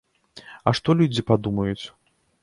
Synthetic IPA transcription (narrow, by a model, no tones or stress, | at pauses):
ɐ̰ʂt̪ɔlʲud͡zʲipad̪umɐjut͡sʲ